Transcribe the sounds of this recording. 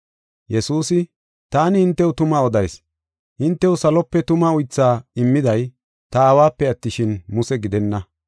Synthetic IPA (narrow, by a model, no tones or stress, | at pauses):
jɛsuːsɪ | t̪aːnɪhɪnt̪ːɛwt̪ʊmɐɔd̪ɐjs | hɪnt̪ːɛwsɐlɔpːɛt̪ʊmɐʊjt͡sːaːɪmːɪd̪ɐj | t̪ɐaːwaːpːɛɐt̪ːɪʃɪnmʊsɛɡɪd̪ɛnːɐ